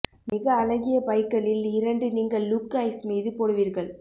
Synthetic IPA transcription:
mɪɣɐːlɐɣɪjɐpɐɪkːɐlɪlɪɾɐɳɖɯniːŋɡɐɭːukːɐɪsmiːðɯpɔɽɯʋiːɾɣɐɭ

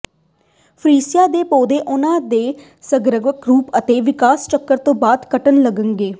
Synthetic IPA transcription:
pʰɾiːsɪjaːd̪eːpoːd̪eːʔʊnãːd̪eː | səɡɾəɡəkɾuːpət̪eːʋɪkaːst͡ʃəkːəɾt̪õːbaːd̪kəʈənləɡəŋɡeː

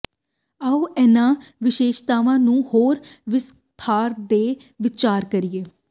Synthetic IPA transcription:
aːuːʔɛːnãːʋɪʃeːʃt̪aːʋãːnũːhoːɾʋɪs | t̪ʰaːɾd̪eː | ʋɪt͡ʃaːɾkəɾɪjeː

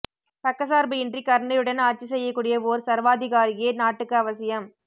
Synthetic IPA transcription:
t̪ɐkːɐsaːɾbɯɪndrikɐɾɐɳɐjɯɽɐnaːʈ̚t͡ʃːɯsɛjːɐkːuːɽɪjɐʋoːɾsɐɾʋaːðɪɣaːɾɪjeːnaːʈːɯkːɯɐʋɐsɪjɐm

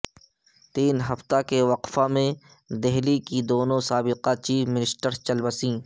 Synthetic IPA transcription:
t̪iːnɦɐft̪akeʋɐqfamẽ | d̪ɛɦlikid̪oːnõsaːbɪqat͡ʃiːfmɪnɪsʈəɾt͡ʃɐlbəsĩː

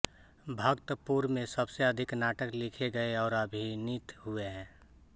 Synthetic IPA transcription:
bʱəkt̪puːɾmẽsəbseəd̪ʱɪknaːʈəklɪkʰeɡəeɔːɾəbʱinɪt̪ɦueɦɛ̃ː

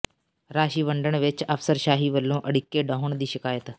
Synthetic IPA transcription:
ɾaːɕiːʋəɳɖəɳʋet͡ʃɐfsəɾɕaːɦiːʋəlːõːʔəɽikːeɖəɦoɳd̪iːɕəkaːjət̪

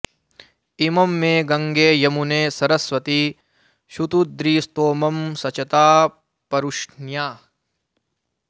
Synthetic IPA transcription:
imɐmːẽːɡɐ̃ŋɡeːjɐmuneːsɐɾɐsʋɐt̪i | ʃut̪ud̪ɾiːst̪oːmɐmsɐt͡ʃɐt̪aː | pɐɾuʃnjaː

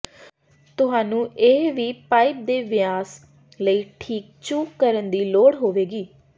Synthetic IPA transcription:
t̪ʊɦaːnũːʔeʋiːpaːɪp̚d̪eːʋɪjaːs | ləiːʈʰiːk̚t͡ʃuːkːəɾənd̪iːloːɽɦoːʋeːɡiː

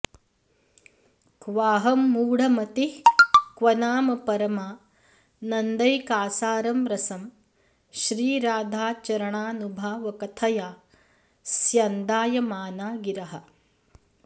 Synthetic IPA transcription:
kʋaːɦɐmːuːɽ̤ɐmɐt̪ihkʋɐnaːmɐpɐɾɐmaː | nɐnd̪ɐjkaːsaːɾɐmɾɐsɐm | ʃɾiːɾaːd̪ʱaːt͡ʃɐɾɐɳaːnubʱaːʋɐkɐt̪ʰɐjaː | sjɐnd̪aːjɐmaːnaːɡiɾɐɦɐ̆

